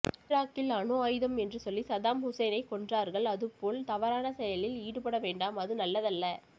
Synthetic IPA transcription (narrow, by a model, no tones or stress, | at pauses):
ɾaːkːɪlanoːaːjðɐmɛndrɯsɔlːisɐðaːmhʊsɐɪnɐɪkɔɳdraːɾɣɐɭɐðɯpːoːɭt̪ɐʋɐɾaːnɐsɛjɐlɪliːɽɯpɐɽɐʋeːɳɖaːmɐðɯnɐlːɐðɐlːɐ